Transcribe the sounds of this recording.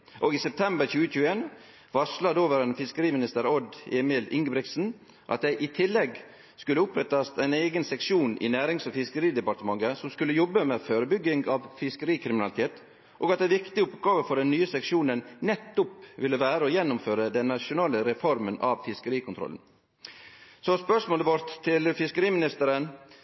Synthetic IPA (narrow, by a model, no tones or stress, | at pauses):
ʔoɡiːsɛp̚t̪ʰɛmbəɾçʉːəçʉːəeːn | ʋɑʂlɑd̪oːʋəɾənfɪskəɾiːmɪnɪst̪əɾɔd̪eːmɪlɪ̰ŋɡəbɾɪɡ̪sn̩ | ʔɑt̪̚d̪æɪʔɪt̪ʰɪlːɛɡ | skʉlːəʊpɾɛt̪ːɑst̪æɪneːɡənsɛkʂuːnʔɪ̰næːɾɪŋsɔfɪskəɾiːd̪ɛpɑɾt̪əmɑŋːəsɔmskʉlːəjɔbːəmɛføːɾəbʏɡːɪŋɑʋfɪskəɾiːkʰɾɪmɪnɑlɪt̪ʰeːt̪ | ʔoːɡɑt̪d̪æʋɪkt̪ɪʊpɡɑːʋəfɔɖɛnːyːəsɛkʂuːnənnɛt̪ːʊpʋɪlːəʋæːɾəɔjɛnːʊmføːɾəd̪ɛnːɑʂʊnɑːləɾɛfɔɾmənɑʋfɪskəɾiːkʰʊnt̪ɾɔ̰lən̩ | sɔspœʂmoːləʋɔɾt̪ʰːɪlfɪskəɾiːmɪnɪst̪əɾən